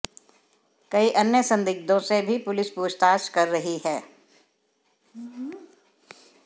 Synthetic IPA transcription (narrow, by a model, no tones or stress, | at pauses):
kɐiʔɐnjəsɐ̃nd̪ɪɡ̚d̪õsebʱipʊlɪspuːd͡ʒt̪aːʃkɐɾːɐɦiɦɛː